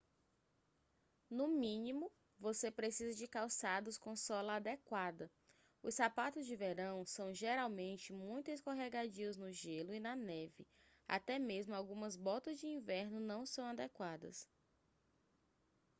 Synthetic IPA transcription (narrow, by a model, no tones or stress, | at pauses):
nʊmĩnĩmʊ | vosepɾesizɐd͡ʒɪkawsad̪ʊskõsɔlɐːd̪ekwad̪ɐ | ʊssapat̪ʊzd͡ʒɪveɾɐ̃w̃sɐ̃w̃ʒeɾawmẽnt͡ʃɪmũj̃t̪ʊskoɦɛɡad͡ʒiɐznʊʒelʊinɐnɛvɪ | a̰t̪ɛmezmʊawɡũmɐzbɔt̪ɐzd͡ʒɪĩvɛɾnʊnɐ̃w̃sɐ̃w̃ad̪ekwad̪ɐ̰s